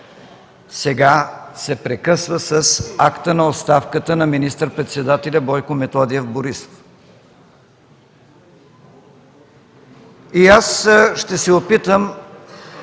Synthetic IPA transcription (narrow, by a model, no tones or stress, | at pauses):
sɛɡasɛpɾɛkɤsvəsəsakt̪ənɐot̪st̪afkət̪ənɐminist̪əɾpɾɛt̪sɛd̪at̪ɛlʲabɔjkʊmɛt̪ɔd̪iɛfboɾiso̥f | iasʃt̪ɛsɛopit̪əm